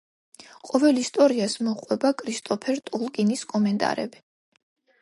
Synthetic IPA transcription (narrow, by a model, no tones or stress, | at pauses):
qʼɔvɛlist̪ʼɔɾiasmɔqʼwɛbakʼɾist̪ʼɔpʰɛɾt̪ʼulˠɡʼiniskʼɔmɛnt̪ʼa̰ɾɛ̰bi